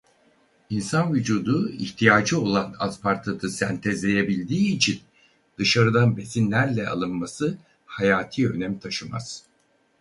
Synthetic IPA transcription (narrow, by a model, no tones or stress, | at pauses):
insanvyd͡ʒuːd̪uḭçt̪ʰijaːd͡ʒɯo̞lˠana̰zpʰaɾt̪ʰat̪ʰɯsænt̪ʰɛzlʲe̞jebilʲd̪iːt͡ʃʰin | d̪̥ɯʃaɾɯd̪anbe̞sinlʲæɾlʲɛa̰lˠɯnmasɯ | hajaːt̪ʰiːø̞nɛmt̪ʰaʃɯma̰z̥